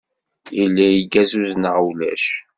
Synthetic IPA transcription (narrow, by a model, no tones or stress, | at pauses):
ilːæjiɡæzuznəʁwlæ̰ʃ